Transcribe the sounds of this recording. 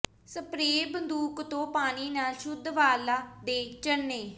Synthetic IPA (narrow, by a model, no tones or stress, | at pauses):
səpɾeːbənd̪uːkt̪õːpaːɽ̃iːnaːlʃʊd̪ʋaːlaːd̪eːt͡ʃənːeː